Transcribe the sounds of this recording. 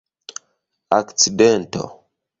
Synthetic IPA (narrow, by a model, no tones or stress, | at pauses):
akt͡sidɛnto̰